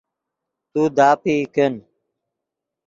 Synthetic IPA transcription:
t̪uːd̪aːpiːken

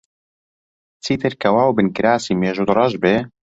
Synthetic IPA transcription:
t͡sʰiːt̪ɨɾkʰɐwaːwbɨnkɪɾaːsiːmeːʒod̪rˤɑʒbe

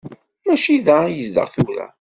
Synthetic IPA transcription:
mæʃiðæjəzd̪ə̰ʁθuɾæ̰

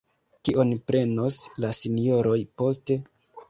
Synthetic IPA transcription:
kiʔo̞npɾe̞no̞slasinjo̞ɾo̞jpo̞ste̞

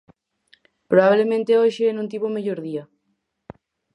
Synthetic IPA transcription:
pɾoβaβlemẽnt̪eoʃeenũnt̪̬iβomeʎoɾðia

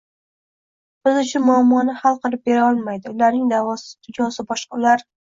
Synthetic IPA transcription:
sɪzʊt͡ʃʰʊnmʊamːɒnɪhalˠqɨlˠɪp̚be̞ɾaɒlˠmajd̪ɪʊlaɾnɪŋd̪avɒst̪ʰʊd͡ʒɒsɪbɒʃqɑʊlaɾ

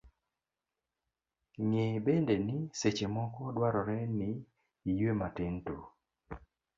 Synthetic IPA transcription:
ŋebendenɪset͡ʃemɔkɔdwaɾɔɾɛnɪ | ijematɪnto

